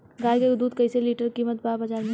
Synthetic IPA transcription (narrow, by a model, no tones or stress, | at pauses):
ɡaːjkeʊd̪uːd̪kɐɪseliːʈəɾkiːmət̪̚babɐd͡ʒaːɾmẽ